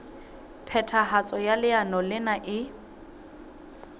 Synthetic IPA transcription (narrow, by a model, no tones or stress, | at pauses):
pʰɛtʰahat͡sʼɔjalɪanɔlɪnaʔɪ